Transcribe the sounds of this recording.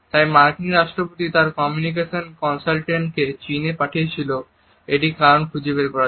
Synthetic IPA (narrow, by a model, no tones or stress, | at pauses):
t̪ajmaɾkiniɾaʃʈɾopot̪it̪aɾkɔmjunik̬eʃonkɔnsalʈeɳʈket͡ɕinepaʈʰiet͡ɕʰilo | eʈikaɾonkʰud͡ʑebeɾkɔɾa